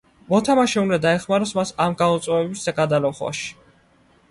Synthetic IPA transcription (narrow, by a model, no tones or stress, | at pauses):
mɔt̪ʰamaʃɛund̪ad̪aɛχmaɾɔsmasamɡaɔt̪sʼwɛɛbisd̪aɡad̪alɔχwa̰ʃi̥